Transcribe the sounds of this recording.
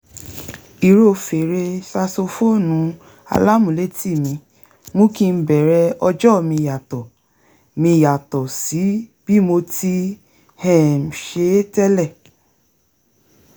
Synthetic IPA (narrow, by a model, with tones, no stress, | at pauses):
i˨ɾo˦˨fe˨ɾe˧sa˧so˧fo˦˨nũ˨˦ | a̰˧la˦mũ˨le˦ti˦˨mĩ˧ | mũ˦kĩ˧n̩˦bɛ˨ɾɛ˧ɔ˧d͡ʒɔ˦˨mĩ˧˨ja˨tɔ˨ | mĩ˧˨ja˨tɔ˨si˨˦b̥i˦mo˧ti˧ | hɛ̃˦˨m̩˨ʃe˧˦tɛ˦lɛ˦˨